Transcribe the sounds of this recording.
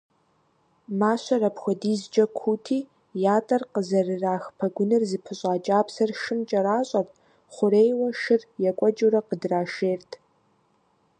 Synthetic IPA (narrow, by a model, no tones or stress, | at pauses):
maːɕɐrɐpxʷɔdiːzd͡ʒʼɐkʷʰuːtʰiː | jaːtʼɐrqəzɐrɨraːxpʰɐɡʷʊnɨrzɨpʰɨɕʼaːt͡ʃʼaːpsɐrʃɨmt͡ʃʼɐɾaːɕʼɐp | χʷʊɾejwɐʃɪrjɛkʷʼɔd͡ʒʼuɾɐqədraːʃeːrtʰ